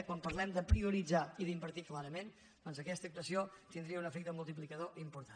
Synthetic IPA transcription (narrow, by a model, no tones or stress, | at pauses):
kwampəɾlɛmd̪əpɾiuɾid͡zaiðimbəɾt̪iklaɾəmen | d̥̪ɔnzəkɛst̪ək̚t̪əsiot̪ind̪ɾiəunəfɛk̚t̪əmulˠt̪ip̬likəðoʔimpuɾt̪a